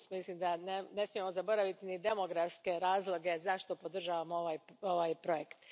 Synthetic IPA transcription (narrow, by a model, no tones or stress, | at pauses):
smislimd̪anene̞smie̞mo̞zabo̞ɾaʋit̪inid̪e̞mo̞ɡɾafske̞ɾaːzlˠo̞ɡe̞zaʃt̪o̞po̞d̪r̩ʒaːʋamoʋajoʋajpɾo̞jekt̪